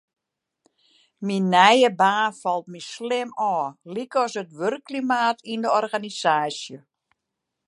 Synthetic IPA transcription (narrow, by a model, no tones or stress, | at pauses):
minːɛjəbaːnfɔlˠt̚mislɪmɔːlikɔsətʋørkːlimaːtʰindəɔrɣanisaːsjə